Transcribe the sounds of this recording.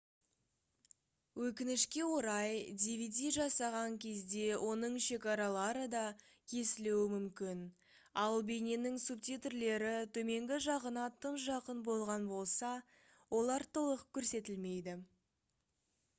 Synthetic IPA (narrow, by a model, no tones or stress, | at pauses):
wɵkʲɪnɪʃkʲe̞wo̞ɾɑjd̪ivʲid̪ijʒɑsɑʁɑŋkʲʰe̞zd̪e̞wʔo̞nəɴʃe̞kɑɾɑlˠɑɾəd̪ɑ | kʲʰe̞sɪlewɪmʏmkʲɪn | ɑlˠbe̞ne̞nɪŋsub̚t̪it̪rle̞ɾɪt̪ʰɵme̞ŋɡʲɪʒɑʁənɑt̪ʰənsʒɑqənbo̞lˠʁɑnbo̞lˠsɑ | wo̞lˠɑɾt̪ʰolˠəqkʲʰːɵɾse̞t̪ɪlme̞jd̪ɪ